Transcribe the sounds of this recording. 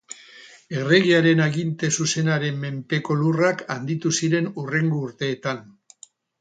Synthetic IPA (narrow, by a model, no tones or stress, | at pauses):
e̞re̞ɣiaɾe̞naɣint̪e̞suse̞naɾe̞mːe̞mpe̞ko̞lurakand̪it̪usiɾe̞nure̞ŋɡuːɾt̪e̞ːt̪an